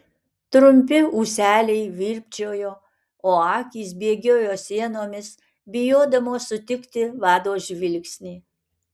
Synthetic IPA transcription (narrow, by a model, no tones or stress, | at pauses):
t̪ɾʊmʲp̬ʲɪuːsʲæːlʲɛɪʋʲiːɾʲpʲt͡ʃʲoːjoː | oːɑːkʲiːsbʲiɛɡʲoːjoːsʲiɛnoːmʲɪs | bʲɪjoːd̪ɐmoːsʊt̪ʲɪkt̪ʲɪʋɑːd̪oːʒʲʋʲɪlʲksʲnʲiː